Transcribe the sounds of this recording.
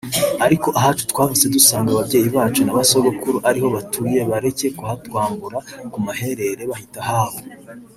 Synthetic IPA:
aɾiko̞ʔaɦat͡ʃu̥twaːvuse̞dusaːŋɡaβabɟe̞ːjiβaːt͡ʃunaβasoɡokuɾoʔaɾiho̞βatʰuje̞βaɾe̞ce̞kuhatwaːmbuɾakumaɦe̞ɾe̞ɾe̞βahitahaːβo

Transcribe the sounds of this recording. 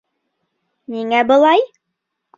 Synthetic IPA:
niŋæbɤ̆lˠɑj

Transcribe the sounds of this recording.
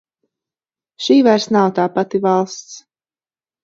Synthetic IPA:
ʃiːvaɾsnawt̪aːpat̪ivalˠst̪s

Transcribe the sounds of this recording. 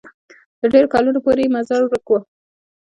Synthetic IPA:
t̪əɖeɾokɑlunopoɾejemazɑɾɾəkwo

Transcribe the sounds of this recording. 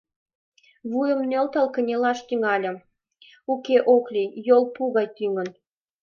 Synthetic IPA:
βujə̆mnølt̪ɑlkə̆nʲelɑʃt̪yŋɑlʲə̆ | ukeʔoklʲijolˠpuɣɑjt̪yŋə̆n

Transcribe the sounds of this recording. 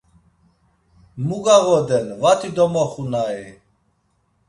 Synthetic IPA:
muɡaɣɔd̪ɛnvat̪ʰid̪ɔmɔχunai

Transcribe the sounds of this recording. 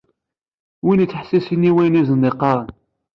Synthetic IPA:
winit͡sːħsisinːiwæjniznːeqːɑɾˤən

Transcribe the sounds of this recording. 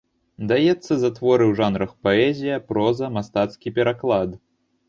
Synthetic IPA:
d̪ajɛt̪sːɐzat̪vɔɾɨwʐanɾɐxpaɛzʲijɐpɾɔzɐmast̪at̪skʲipʲɛɾaklˠad̪

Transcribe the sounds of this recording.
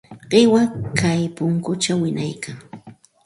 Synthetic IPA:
ɢɪwakajpʊŋkʊt͡ʃawɪnajkʰaŋ

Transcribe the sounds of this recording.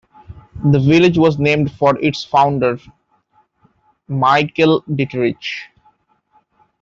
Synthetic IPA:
d̪əʋɪlɪd͡ʒʋɔːznẽːmɖfɔːɾʔɪʈsfãʊ̃ɳɖəɾ | maɪkəlɖɪʈəɾɪt͡ʃ

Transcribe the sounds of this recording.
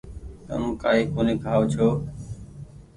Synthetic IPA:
kə̰nũːkaːɦiːkoːniːkaːʋt͡ʃʰoː

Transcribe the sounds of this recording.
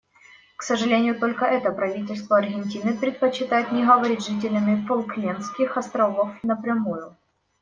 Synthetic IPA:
ksəʐɨlʲenʲɪjʊt̪o̞lʲkəʔɛt̪əpɾɐvʲitʲɪlʲst̪vəɐrɣʲɪnʲtʲinɨpɾʲɪt̪̚pət͡ɕːɪt̪ajɪt̪nʲɪɣəvɐɾʲit̪ʲʐɨt̬ʲɪlʲɪmʲɪfʊlˠklʲenskʲɪxɐst̪ɾɐvofnəpɾʲɪmujʊ

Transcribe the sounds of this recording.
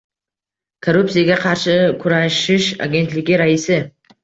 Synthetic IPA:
kʰoɾuptsijaɡʲaqʰɑɾʃɪkʰʊɾaʃɪʃa̰ɡʲe̞nt̪lɪɡʲɪɾaisɪ

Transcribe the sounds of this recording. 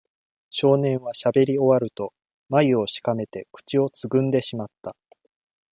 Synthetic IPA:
ɕo̞ːnẽ̞ɰ̃βaɕabe̞ɾʲio̞βaɾɯ̟t̪o̞ | maio̞ɕi̥kame̞t̪e̞kɯ̥t͡ɕio̞t͡sɨɡɯ̟̃nd̪e̞ɕimat̪ːa

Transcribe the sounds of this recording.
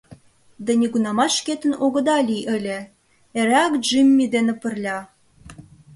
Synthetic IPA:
d̪ɑnʲeɡunɑmɑʃket̪ə̆noɣə̆d̪ɑlʲiʔɘ̆lʲĕ | eɾækʒimʲːid̪enĕpə̆rlʲɑ

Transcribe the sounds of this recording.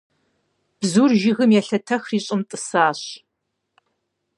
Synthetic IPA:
b̥zuːrʒɪɣɨmjɛɬɐtʰɐxriːɕʼɪmtʼɨsaːɕ

